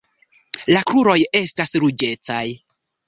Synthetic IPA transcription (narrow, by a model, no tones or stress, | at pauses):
lakɾuɾo̞je̞stasɾud͡ʒe̞t͡saj